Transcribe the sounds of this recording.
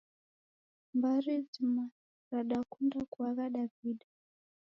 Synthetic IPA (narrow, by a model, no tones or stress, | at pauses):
mbaɾizima | ɾaɗakundakuaɣaɗaviɗa